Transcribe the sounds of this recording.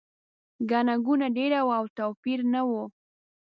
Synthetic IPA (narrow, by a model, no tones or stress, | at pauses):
ɡanaɡunaɖeɾawawt̪apiɾnawo